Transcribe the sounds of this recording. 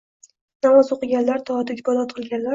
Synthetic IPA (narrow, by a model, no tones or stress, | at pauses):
namɒzoqɨɡʲanlaɾt̪ʰɒd̪ɪɡʲbɒlˠɒt̪̚qʰɨlˠɡʲanlaɾ